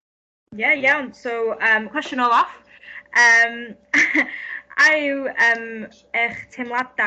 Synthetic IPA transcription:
jajawnsowəmkʰw̥ɛst͡ʃənɔlˠɔf | ʔəm | ajəm | ɛχtʰɪmlˠada

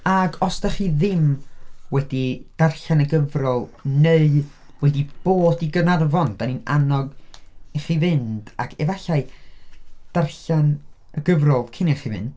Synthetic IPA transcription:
aɡɔsdaχiðɪmwɛdid̥arɬanəɡəvrɔlˠneɨ | wɛdib̥oːdiɡənarvɔnd̥anina̰nɔɡɛχivɪnd̥aɡɛvaɬaɨ | d̥arɬan | əɡəvrɔlˠkʰɪnɛχivɪ̰nd̥

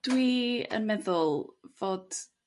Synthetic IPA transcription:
d̥wiə̰nmɛðʊlˠvoːd̥

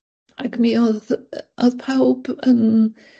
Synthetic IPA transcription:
aɡmiɔðɔðpʰawb̥ən

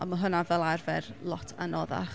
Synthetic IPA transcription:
aməɦʊnavɛlˠarvɛrlˠɔtʰa̰nɔða̰χ

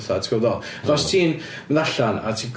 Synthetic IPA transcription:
θatʰkɔðɔlˠ | ðɔstʰiːn | ðaɬana̰tʰiːɡ

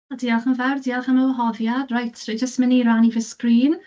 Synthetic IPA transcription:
adiːalˠχənvɛwrdiːalˠχənəwɦɔðjadrajtʰed͡ʒəstməniɾanivɪskriːn

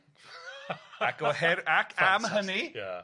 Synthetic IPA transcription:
akɔhɛɾakʰamɦənija̰

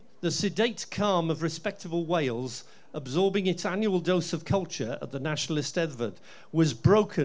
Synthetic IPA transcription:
ðəsɪdeɪtkʰɑːməvɹɪspɛk̚təbəlˠweɪlˠz | əbzɔːbɪ̃ŋɪtsãnjuəlˠdoʊsəv̥kʰʌlˠt͡ʃəɹə̰ʔðənaʃənəl̩ɪstɛdvəd | wɒzbɹoʊkʰə̃

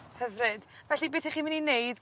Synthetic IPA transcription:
həvrɨd̥vɛɬibeːθɛχiːmɪninejdɡ

